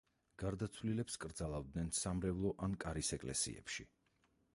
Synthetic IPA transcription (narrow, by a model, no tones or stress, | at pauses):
ɡ̥aɾd̪at̪sʰvlilɛpskʼɾd̪zalˠavd̪nɛnsamɾɛvlˠɔʔankʼaɾisɛkʼlɛ̰sḭɛ̰pʃi